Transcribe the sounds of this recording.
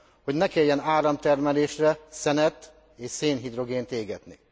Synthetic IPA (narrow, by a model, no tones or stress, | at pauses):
ho̞ɟnɛkeːjːɛnaːɾɒmt̪ɛrmɛleːʃrɛsɛnɛt̪ː | eːʃseːnɦid̪ro̞ɡeːnt̪eːɡɛd̪ni